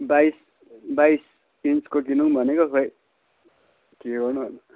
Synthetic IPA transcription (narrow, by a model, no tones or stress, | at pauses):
bajs | bajs | inskokinuŋbʱʌnekoɦʰoj | kiɡʌrnuɦʌn